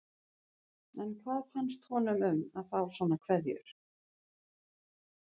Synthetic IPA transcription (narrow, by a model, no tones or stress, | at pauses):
ɛnkʰvaːðfanst̪hɔnʏmʏmaðθawsɔːnakʰvɛðjʏ̰ɾ̥